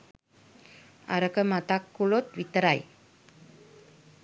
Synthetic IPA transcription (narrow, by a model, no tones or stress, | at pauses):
a̰ɾəkəmat̪akːulot̪ʋit̪əɾaj